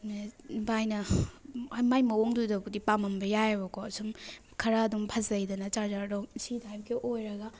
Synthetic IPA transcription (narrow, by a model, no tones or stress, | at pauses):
mebajnɐ | majmɐoŋdudɐɡudipamɐmbɐjajeβɐkoɐsum | kʰɐɾaːdumpʰɐzɐjdɐnɐt͡ʃazaɾosidajbɐɡeʔojɾɐɡɐ